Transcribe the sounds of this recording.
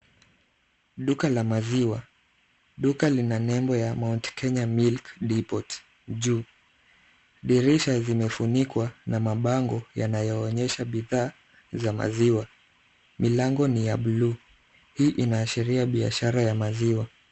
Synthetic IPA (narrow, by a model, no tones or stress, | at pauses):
ɗukalamaziwa | ɗukalinanɛmbɔjamawntkʰɛɲamilkɗipɔt | ʄuː | ɗiɾiʃazimɛfunikwanamaɓaŋɡɔjanajɔːɲɛʃaɓiðaː | zama̰ziwa | milaŋɡɔnijaɓluː | hiːʔinaːʃiɾiaɓia̰ʃaɾajamaziwa